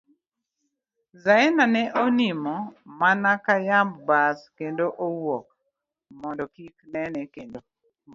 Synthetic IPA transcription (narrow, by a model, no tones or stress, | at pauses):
zaɛnanɛʔonimɔmanakajambbaskendoʔowok̚ | mɔndɔkiknɛnɛkendo